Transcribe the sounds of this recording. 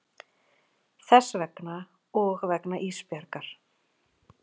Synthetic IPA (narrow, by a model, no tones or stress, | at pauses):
θɛsvɛkna | ɔɣvɛknaʔiːspjɛɾkaɾ̥